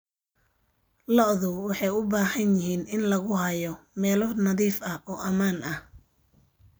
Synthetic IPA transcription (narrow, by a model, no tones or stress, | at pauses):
lɔʔðʊwwɑħɑjʊbaːhɐnjɪɦiːnɪnlɐɣʊhɐjɔmɛːlɔnɐðiːfɐʔɔːʔɐmaːnɐh